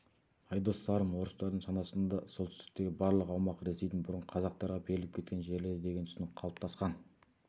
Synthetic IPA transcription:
ɑjd̪osɑɾəmwo̞ɾəst̪ɑɾd̪əɴʃɑnɑsənd̪ɑso̞lt̪ʏ̥st̪ɪ̥k̚t̪e̞ɡʲɪbɑɾlˠəqɑwmɑqɾesejd̪ɪnbʊɾəɴqʰɑzɑq̚t̪ɑɾʁɑbeɾɪlɪpkʲʰe̞t̪kʲe̞nʒe̞ɾlɪd̪e̞ɡʲenʏsɪnɪqʰɑlˠəp̚t̪ʰɑsqɑn

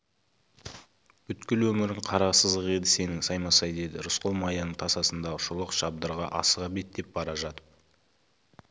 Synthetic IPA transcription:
b̥ʏt̪kʲɪlwɵmɪɾɪɴqʰɑɾɑqsəzd̪əqe̞d̪ɪse̞nɪŋsɑjmɑsɑjd̪e̞d̪ɪ̰ɾʊsqolˠmɑjɑnəɴt̪ʰɑsɑsənd̪ɑʁəʊʃʊlˠəqʒ̥ɑbd̪əɾʁɑ̰ʔɑsəʁɑbe̞t̪d̪e̞p̚bɑɾɑʒɑt̪ə̥p̚

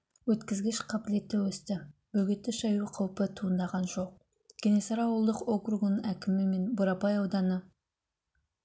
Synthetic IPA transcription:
wɵt̪kʲɪzɡʲɪʃqʰɑbɪle̞t̪ːewɵst̪ɪbɵɡʲet̪ːɪʃɑjuqʰɑwpət̪ʰuənd̪ɑʁɑnʒo̞q̚ | ɡ̥ʲenesɑɾɑwəlˠd̪əqokruɡnəækʲɪmɪme̞nbʊɾɑpɑjɑwd̪ɑnə

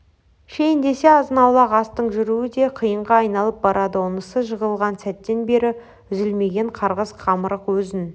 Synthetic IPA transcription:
ʃejɪnd̪e̞se̞ɑzənɑwlˠɑqɑst̪əɴʒʏɾuwɪd̪e̞qʰijəɴʁɑɑjnɑlˠəp̚bɑɾɑd̪əʊnəsəʒəʁəlˠʁɑnsæt̪ːe̞nbe̞ɾɪ | ʏzɪlme̞ɡʲe̞ɴqʰɑɾʁəzqʰɑməɾəqwɵzɪn

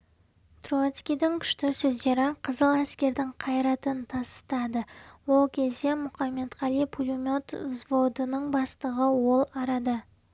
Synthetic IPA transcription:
t̪rot̪skʲijd̪ɪŋkʲʰʏ̥ʃt̪ɪsɵzd̪e̞ɾɪqʰəzəlˠæskʲe̞ɾd̪ɪŋqʰɑjɾɑt̪ənt̪ʰɑst̪ə̥t̪ɑd̪əwo̞lˠkʲʰe̞zd̪e̞mʊχɑmːe̞d̪ʁɑlipʰulʲumʲo̞t̪zvo̞d̪ənəɴbɑst̪əʁəwo̞lˠɑɾɑd̪ə

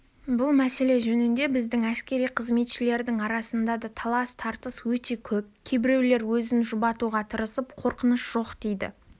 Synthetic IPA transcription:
bʊlˠmæse̞le̞ʒɵnɪnd̪e̞bɪzd̪ɪŋæskʲe̞ɾijqʰəzme̞t̪ʃɪle̞ɾd̪ɪŋɑɾɑsənd̪ɑd̪ɑt̪ʰɑlˠɑst̪ʰɑɾt̪əswɵt̪e̞kʲʰɵp̚kʲʰe̞bɪɾe̞wle̞ɾwɵzɪnʒʊbɑt̪uʁɑt̪ʰəɾəsəpqʰo̞ɾqənəsʒ̥o̞qd̪̥e̞jd̪ɪ̰

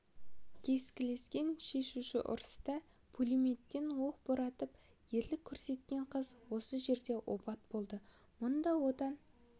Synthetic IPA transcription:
kʲʰe̞skʲɪle̞skʲe̞nʃe̞ʃuʃɪ̰ʔʊ̰ɾəst̪ɑ | pʰulimet̪ːe̞nwo̞q̚boɾɑt̪əp | je̞ɾlɪkʲʰːɵɾse̞t̪kʲe̞ɴqʰəzwo̞səʒe̞ɾd̪e̞ʔo̰pɑt̪̚b̥o̞lˠd̪ə | mʊnd̪ɑwo̞d̪ɑn

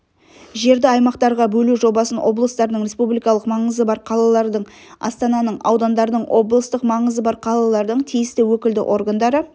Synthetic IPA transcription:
ʒe̞ɾd̪ɪɑjmɑqt̪ɑɾʁɑbɵluʒo̞bɑsənwo̞blˠəst̪ɑɾd̪əɴɾʲe̞spublijkɑlˠəqmɑɴəzəbɑɾqʰɑlˠɑlˠɑɾd̪əɴ | ɑ̰st̪ɑnɑnəɴɑ̰wd̪ɑnd̪ɑɾd̪əɴwʔo̞blˠəst̪əqmɑɴəzəbɑɾqʰɑlˠɑlˠɑɾd̪əɴt̪ʰijɪst̪ɪwɵkʲɪld̪ɪ̰ʔo̞ɾɡand̪ɑɾə

